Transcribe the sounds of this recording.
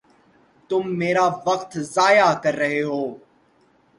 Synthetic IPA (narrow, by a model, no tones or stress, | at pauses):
t̪ʊmːeːɾaːʋəqt̪zaːjakəɾːəɦeɦoː